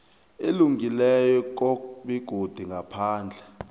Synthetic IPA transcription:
eluŋilɛjɔk̬ɔɓiɡ̥ʱod̥ʱiŋɡʱapʰaːnd͡ɮʱɛ

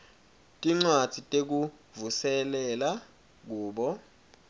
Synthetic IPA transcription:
tʼiŋ͡ǀwad̥ʱitʼek̬u | vusɛlɛla | k̬uːɓɔ

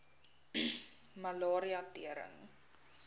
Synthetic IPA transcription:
mɐlɑːɾiɐtiəɾə̰ŋ

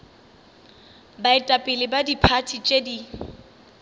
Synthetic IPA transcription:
baɪtʼapʼɪlɪbadipʰatʰit͡ʃʼedi

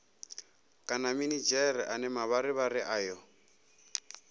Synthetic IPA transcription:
kʼanaminid͡ʒɛɾiʔanɛmaβaɾɪβarɪʔajɔ

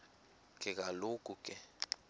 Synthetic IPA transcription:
kʰʼɛk̬ʼalokʼukʼɛ

